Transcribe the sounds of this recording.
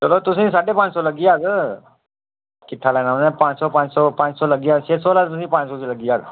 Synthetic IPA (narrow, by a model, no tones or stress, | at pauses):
t͡səlot̪us̬ĩːsaʈepãt͡ssɔləɡiaɡə | kit̪ʰalanaʋnãpãt͡ssɔpãt͡ssɔpãt͡ssɔləɡiaɕesɔlat̪usĩːpãt͡ɕsɔt͡ɕiləɡiːaɡ